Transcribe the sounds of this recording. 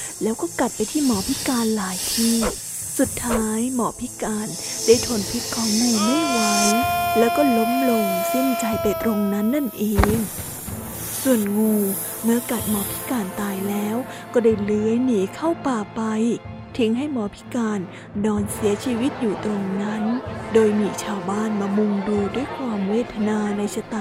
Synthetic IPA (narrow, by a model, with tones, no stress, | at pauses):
lɛː˦˥wkɔː˥˩ka˨˩t̪̚pa˧jt̪ʰiː˥˩mɔː˨˦pʰi˦˥kaː˧nlaː˨˩˦jt̪ʰiː˥˩ | su˨˩t̪ʰːaː˦˥jmɔː˨˦pʰi˦˥kaː˧ndaː˥˩jt̪ʰo˧˩npʰi˦˥t̪̚kʰːɔː˨˦ŋːuː˧ma˥˩jwa˨˦jlɛː˦˥wkɔː˥˩lo˦˥mlo˧ŋsɯ˥˩ŋt͡ɕa˧jpa˧jt̪ɾo˧ŋna˦˥nːa˥˩nʔeː˧ŋ | su˨˩ənŋuː˧ | mɯ˥˩ɐka˨˩t̪̚mɔː˧pʰi̥˦˥kaː˧nt̪aː˧jlɛː˦˥w | kɔː˥˩daː˥˩jlɯ˧˦əjniː˨˦kʰa˥˩wpaː˨˩pa˧j | t̪ʰi˨˦˥ŋɦa˥˩jmɔː˧pʰi̥˦˥kaː˧n | dɔː˧nsi˨˩˦ɐt͡ɕʰiː˧wi˦˥t̪̚juː˨˩t̪ɾo˧ŋna˦˥ndoː˧jmiː˧t͡ɕʰaː˧wbaː˥˩nmaː˧mu˧ŋduː˧du˥˩əjkʰwaː˧mweː˥˩t̪ʰa˧naː˧na˧jsa˧t̪a˨˩